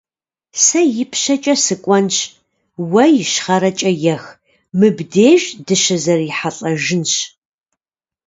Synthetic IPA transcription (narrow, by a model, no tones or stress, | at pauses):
sɐjɪpʰɕɐt͡ʃʼɐsɨkʷʼɔnɕ | wɐjɪʃχɐɾɐt͡ʃʼɐjɛx | mɨbdeːʒdɨʃɐzɐriħaɬʼɐʒɪnɕ